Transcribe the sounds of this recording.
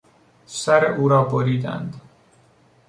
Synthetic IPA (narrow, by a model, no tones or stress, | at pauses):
sæɾeʔuːɾɒːboɾiːd̪æ̰nd̪